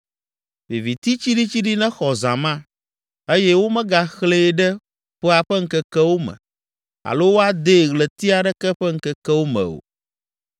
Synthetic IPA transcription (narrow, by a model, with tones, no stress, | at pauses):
vi˨vi˨t̪i˦t͡ɕi˦ɖi˦t͡ɕi˦ɖi˦nɛ̃˦xɔ˨zã̰˨mã˦ | e˦jɛ˦wo˦mɛ̃˦ɡa˨xleː˦ɖɛ˦ | ɸə˦a˨ɸɛ˦ŋ̩˦kɛ˦kɛ˦wo˦mɛ̰̃˨ | a̰˨lo˦wo˦a˦d̪e˦˨ɣlɛ˨t̪i˦a˨ɖɛ˦kɛ˦ɸɛ˦ŋ̩˦kɛ˦kɛ˦wo˦mɛ̰̃˨o̰˨